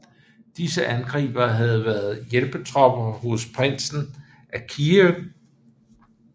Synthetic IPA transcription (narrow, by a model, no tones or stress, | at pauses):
d̥isəʔænɡ̥ʁɛ̰ːb̥ɐɦæð̞̩ˠʋæːɐð̞̩ˠjelb̥ət͡sʰʁɒ̽b̥ɐhospʰʁen̰sn̩ | ʔækʰiøɡ̥